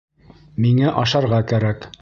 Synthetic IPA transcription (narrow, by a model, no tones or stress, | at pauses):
miŋæʔɒʃɑɾʁɑkæɾæk